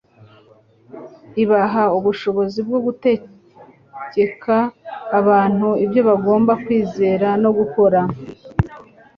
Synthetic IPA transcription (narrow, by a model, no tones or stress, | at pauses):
iβaɦauβuʃo̞βo̞zibɡo̞ɡute̞ | ɟe̞kʰaːβaːn̥huibjo̞βaɡo̞ːmbakwiːze̞ːɾano̞ɡuko̞ɾa